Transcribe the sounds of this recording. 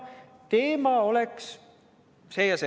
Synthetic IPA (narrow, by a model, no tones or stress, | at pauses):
t̪eːmɑoleks | seːjɑse